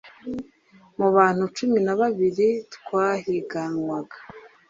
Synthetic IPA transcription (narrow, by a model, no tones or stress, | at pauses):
muβaːn̥hut͡ʃuminaβaβiɾitkwaːɦiɡanwaɡa